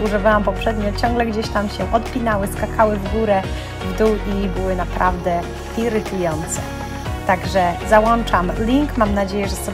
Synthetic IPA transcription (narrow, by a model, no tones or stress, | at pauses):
uʐɨvawampɔpʂɛd̪ɲɔt͡ɕɔŋɡlɛɡd͡ʑeɕt̪amɕɛʔɔt̪̚pʲinawɘskakʰawɘvɡuɾɛ | vd̪uwibɘwɘnapɾavd̪ɛ | iɾɘt̪ujɔnt̪sɛ̰ | t̪aɡʐɛzawɔnt͡ʂamlʲiŋkmamnad͡ʑejɛʐɛsɔbʲ